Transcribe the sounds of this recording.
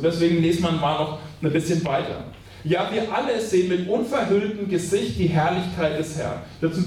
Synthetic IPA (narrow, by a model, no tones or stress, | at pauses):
td̥ɛsv̥eːɡŋ̩leːsmanmaːlnɔχnbɪsçənvaɪtɐ̰ | jaːviːɐʔaləsz̥eːənmɪtʔʊnfɛɐɦʏltəm̩ɡəzɪçt̚d̥iːɦɛɐlɪçkʰaɪt̚d̥ɛshɛ̰ɐnd̥ɛːɐt͡sʊm